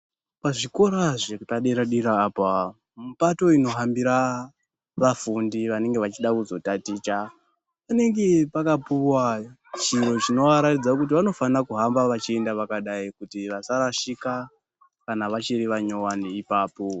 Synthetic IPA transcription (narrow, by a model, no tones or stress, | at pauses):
paʐiko̞ɾaʐekutaɗiɾaɗiɾaːpa | mupato̞ino̞ɦambiɾa | ʋafundiʋane̞ŋɡe̞ʋat͡ʃiɗakuzo̞tatit͡ʃa | pane̞ŋɡe̞pakapuwat͡ʃiro̞t͡ʃino̞ʋaɾatid͡zakut̬iʋano̞fanakuɦambaʋat͡ʃie̞ndaʋakaɗaikutiʋasaɾaʃika | kanaʋat͡ʃiɾiʋaɲo̞waniipaːpo̞